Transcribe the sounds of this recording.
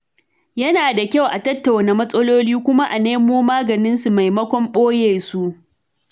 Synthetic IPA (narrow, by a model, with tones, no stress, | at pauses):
jɐ˦naː˨da˨kʲa˦˨wʔa˨tɐ˦tːa˨wna˨mɐ˦sʼɐ˦loː˦liː˦kʷʊ˦ma˦ʔa˨neː˦moː˦maː˦ɡɐ˨nɪ˦nsu˨ma˨jmɐ˦kʷɔ˦mɓoː˦jeː˨su˦ʔ